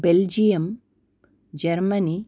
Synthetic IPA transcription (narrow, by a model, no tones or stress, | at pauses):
beld͡ʒijɐm | d͡ʒɐɾmɐniː